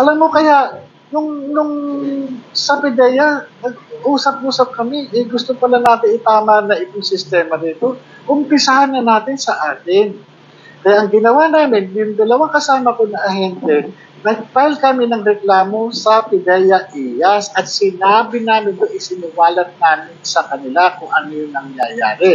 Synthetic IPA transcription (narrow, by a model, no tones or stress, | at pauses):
ʔɐlamːo̞kɐjaʔ | nʊŋnʊŋ | sɐpɪd̪ɛjɐnɐɡ̚ʔuːsɐp̚ʔuːsɐp̚kɐmɪʔɛɡʊst̪opɐlanaːt̪ɪnɪt̪aːmɐnɐʔɪk̪osɪst̪ɛːmɐd̪iːt̪o̞ | ʔʊmpɪsɐhanːɐnaːt̪ɪnsɐʔaːt̪ɪn | kɐjaʔɐŋɡɪnɐwanaːmɪnjʊŋd̪ɐlɐwaŋkɐsaːmɐponɐʔɐɦɛnt̪ɛ | nɐɡ̚paɪlkɐmɪnɐŋɡɾɛklaːmo̞sɐpɪd̪ɛjɐʔijasɐt̪̚sɪnaːbɪnaːmɪnt̪oʔɪsɪnɪwaːlɐt̪̚naːmɪnsɐkɐnɪlakʊŋʔɐnojʊŋnɐŋjaja̰ːɾɛ